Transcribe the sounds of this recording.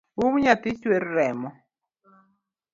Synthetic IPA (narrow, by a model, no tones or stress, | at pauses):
wumɲat̪ɪt͡ʃweɾːɛmɔ